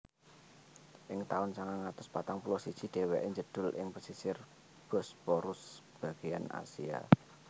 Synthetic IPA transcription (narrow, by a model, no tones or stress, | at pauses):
ʔɪŋt̪aʊnsaŋaŋat̪ʊspat̪aŋpulɔsid̥ʒ̥i̤ɖ̥e̤wɛʔɪŋd͡ʒəd̥ʊ̤lɪ̰ŋpəsisɪr | b̥ɔ̤spɔɾʊsb̥a̤ɡ̥i̤ana̰sia̰